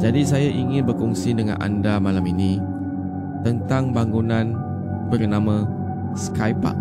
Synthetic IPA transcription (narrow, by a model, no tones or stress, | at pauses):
d͡ʒadisajaʔiŋɪ̃nbərkɔŋsidəŋã̰nʔa̰ndamalaminĩ | t̪ənt̪aŋbaŋunãn | bərnãmã | skajpa̰ʔ